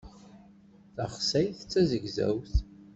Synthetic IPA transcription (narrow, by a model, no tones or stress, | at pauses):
θəχsæjθt͡sːæzəɡzæ̰wθ